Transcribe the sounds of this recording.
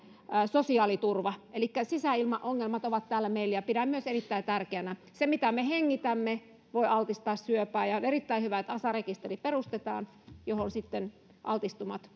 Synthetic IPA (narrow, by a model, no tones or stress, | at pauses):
sosiɑːlit̪urʋɑʔelikːæsisæilmɑʔʔoŋːelmɑt̪oʋɑt̪t̪æːlːæmeilːjɑpiɾæmyøserit̪ːæit̪ærkeænæ | semit̪æmeheŋːit̪æmːe | ʋoiɑlt̪ist̪ɑːssyøpæːjɑonerit̪ːæihyʋæet̪ɑsɑrekist̪eriperust̪et̪ɑːn | johonsit̪ːen | ʔɑ̰lt̪ist̪umɑt̪